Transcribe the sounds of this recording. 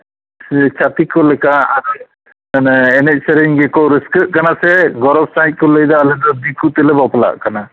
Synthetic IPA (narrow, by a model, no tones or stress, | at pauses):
t͡ʃat̪ikɔlɛkaːɾɔ | nɛnɛc̚sɛɾiɲɡɛkɔɾəskɯʔkanasɛɡɔɾɔbsajt̪̚kɔləjd̪ɔːlɛd̪ɔd̪ikut̪ɛlɛbɔpla̰ʔkana